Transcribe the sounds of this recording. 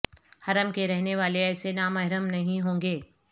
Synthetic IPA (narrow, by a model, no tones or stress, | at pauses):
hɐɾəmkeɾɛɦneʋaːleɛːsenaːmɐɦɪɾəmnɐɦĩɦõːŋɡeː